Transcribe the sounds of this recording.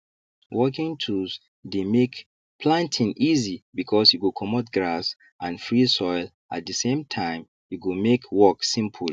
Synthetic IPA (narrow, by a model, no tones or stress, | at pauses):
wɔkĩŋtʰus | demek | pʰlãntʰĩnʔizibikʰɔsjuɡukʰɔmɔtɡɹas | ʔãnfɹisɔɪl | at̚dəsẽmtʰãɪ̃m | juɡumekʰwɔksĩmpʰl